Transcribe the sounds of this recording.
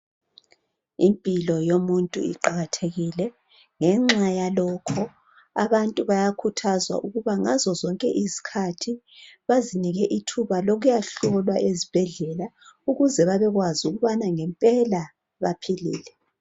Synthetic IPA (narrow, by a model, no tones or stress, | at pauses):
impʼilɔjomuntʼṵḭǃaɣatʰeɣilɛ | ŋɛŋ͡ǁajalɔːkʰɔ | a̰βantʼuβajakʰutʰazwa̰ʔuɣuβaŋa̰zɔzɔŋkʼɛʔizi̥kʰatʰi | βaziniɣɛʔitʰuβaloɣujaɬɔlwaʔezib̥ʱɛɮɛla | uɣuzɛβaβɛɣwazuɣuβanaŋɛmpʼɛla | βapʰilḭːlɛ